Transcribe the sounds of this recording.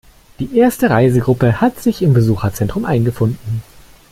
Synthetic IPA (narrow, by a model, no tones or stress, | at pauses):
d̥iːʔeːɐstəʁaɪzəɡʁʊpəhatz̥ɪçɪmbəzuːxɐt͡sɛntʁ̥ʊmʔaɪnɡəfʊndn̩